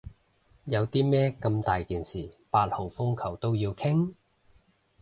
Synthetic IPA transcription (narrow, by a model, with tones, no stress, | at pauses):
jɐ˨˧wt̪iː˥mɛː˥kɐ˧mt̪aː˨jkiː˨nsiː˨˩paː˧t̚ho˨˩wfʊ˥ŋkʰɐ˨˩wt̪o˥wjiː˧wkʰɪ˥ŋ